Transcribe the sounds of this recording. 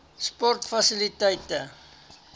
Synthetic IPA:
spɔrtfɐsilitɛjtə

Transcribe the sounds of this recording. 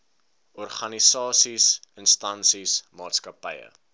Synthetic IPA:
ɔrχɐnisɑːsisənstɐnsismɑːtskɐpəjə̰

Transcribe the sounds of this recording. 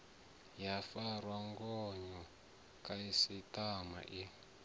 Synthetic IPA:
jafarwaŋɡɔɲɔ | kaisitama̰ʔi

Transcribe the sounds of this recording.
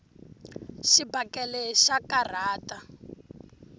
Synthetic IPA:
ʃibakɛlɛʃakar̤aːta

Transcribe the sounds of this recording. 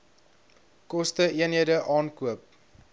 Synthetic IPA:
kɔstəiənɦiədəʔɑːnkuəp̚

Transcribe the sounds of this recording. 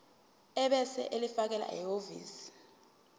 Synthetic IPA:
ɛɓɛsɛ̰ʔelifak̬ɛla̰ɛ̰ovḭːsi̥

